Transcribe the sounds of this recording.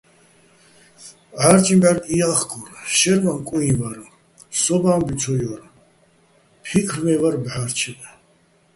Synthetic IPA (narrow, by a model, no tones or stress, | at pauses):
ʕaɾt͡ʃʼimbaɾʼiaχɡʰʼɔɾaʃɛɾmamkʼuĩvaɾa | sɔbaːmbit͡ʃʰɔjɔɾa | pʰikʰɾmɛvaɾbʕaɾt͡ʃʰɛbɛ